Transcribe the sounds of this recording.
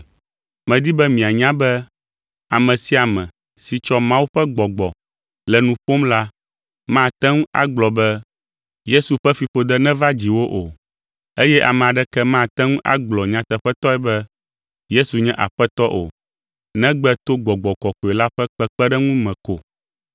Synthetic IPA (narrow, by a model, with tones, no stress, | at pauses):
mɛ̃˨d̪i˦bɛ˦mĩ˨a˨ɲã˦bɛ˦ | a˨mɛ̃˨si˦a˨mɛ̃˨ | si˨t͡ʃɔ˦mã˦wu˦ɸɛ˦ɡ͡bɔ˨ɡ͡bɔ˨ | lɛ˨nũ˨ɸo˦mla˦ | mã˦˨t̪ɛ˦ŋũ˦a̰˨ɡ͡blɔ˨bɛ˦ | je˦su˨ɸɛ˦fi˨ɸo˨d̪ɛ˦nɛ̃˦va˦d͡ʑi˨wo˦ʔo˨ | e˦jɛ˦ʔa̰˨mɛ̃˨a˨ɖɛ˦kɛ˦mã˦˨t̪ɛ˦ŋũ˦ʔa̰˦ɡ͡blɔ˨ɲã˨t̪ɛ˨ɸɛ˦t̪ɔ˦ɛ˨bɛ˦ | je˦su˨ɲɛ̃˦ʔa̰˨ɸɛ˦t̪ɔ˦ʔo̰˨ | nɛ̃˦ɡ͡bɛ˦t̪o˦ɡ͡bɔ˨ɡ͡bɔ˨kɔ˨ko˨ɛ˨la˦ɸɛ˦k͡pɛ˦k͡pɛ˦ɖɛ˦ŋũ˦mɛ̃˨ko˨